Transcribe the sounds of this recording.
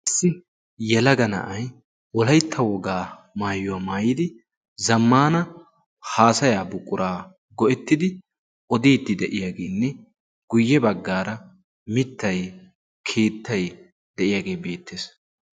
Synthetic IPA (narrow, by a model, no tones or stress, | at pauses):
ʔɪsːɪ | jɛlɐɡɐnɐ̰ʔɐj | wɔlɐjt̪ʰːɐwɔɡaː | maːjʊwaːmaːjɪd̪ɪ | zɐmːaːnɐ | haːsɐjaːbʊkʼːʊɾaː | ɡɔʔɛt̪ːɪd̪ɪ | ʔɔd̪iːt̪ːɪd̪ɛʔɪjaːɡe̞ːnːɛ | ɡ̥ʊjːɛbɐɡːaːɾɐ | mɪt̪ːɐj | kʰeːt̪ːɐj | d̪̥ɛʔɪjaːɡe̞ːbe̞ːt̪ːeːs